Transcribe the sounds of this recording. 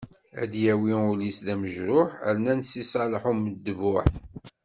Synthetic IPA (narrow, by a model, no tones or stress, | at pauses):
æ̰d̪jæwiʊlisðæməʒɾʊħə̰lnænsisˤɑləħuməd̪ːəvʊħ